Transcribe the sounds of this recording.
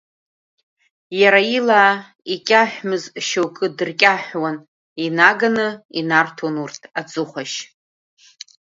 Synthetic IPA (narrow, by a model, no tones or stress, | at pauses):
jaɾailaː | ikʲʼaħʷᶣmɨzʃowkʼɨdɨrkʲʼaħʷᶣwan | inaɡanɨinartʰonurtʰad͡zʼɨχʷaʃ